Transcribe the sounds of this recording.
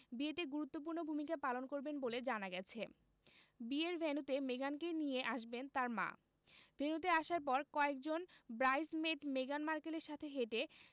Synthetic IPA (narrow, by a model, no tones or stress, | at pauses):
biet̪eɡuɾut̪ːop̬uɾnobʱumikapalonkoɾbenboled͡ʑanaɡɛt͡ɕʰe | bieɾbʱenut̪emeɡankenijeʔaʃbent̪aɾmã̰ | bʱenut̪eaʃaɾp̬ɔɾkɔek̚d͡ʑonbɾajzmeʈmeɡanmaɾkeleɾʃat̪ʰeɦeʈe